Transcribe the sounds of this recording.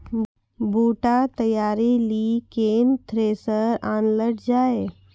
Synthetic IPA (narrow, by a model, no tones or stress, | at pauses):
buːʈat̪əjaːɾilikeːnt̪ʰɾeːsəɾaːnləʈd͡ʒaːe